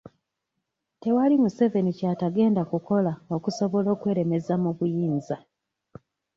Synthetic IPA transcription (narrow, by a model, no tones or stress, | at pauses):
te̞walimuse̞ve̞nicataɡe̞ːndakuko̞lao̞kuso̞βo̞lo̞ːkwe̞ːɾe̞me̞zamuβujiːnza